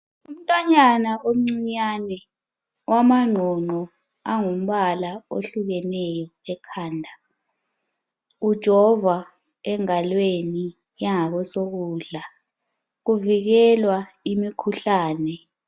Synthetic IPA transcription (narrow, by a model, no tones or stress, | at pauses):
um̩tʼwaɲanaʔom̩ŋ͡ǀiɲaːnɛ | wamaŋ͡ǃʱɔŋ͡ǃɔ | aŋum̩ɓalao̰ɬuk̬ɛnɛjɔɛkʰaːndʱa | ud̥ʒ̥ʱɔva | ɛŋalweni | jaŋak̬ɔsok̬uːɮa | k̬uvik̬ɛlwa | imikʰuɬaːnɛ